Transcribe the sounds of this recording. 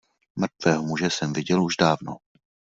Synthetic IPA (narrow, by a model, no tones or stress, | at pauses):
mr̩t̪vɛːɦomuʒɛsɛmvɪɟɛluʒdaːvno̰